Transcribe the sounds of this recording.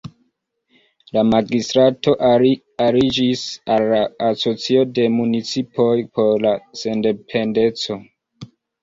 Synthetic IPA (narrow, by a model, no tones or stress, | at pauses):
lamaɡistɾato̞ʔ | aɾid͡ʒisalːaːso̞t͡sio̞de̞munit͡sipo̞jpʰo̞ɾlase̞nde̞pʰe̞nde̞t͡so̞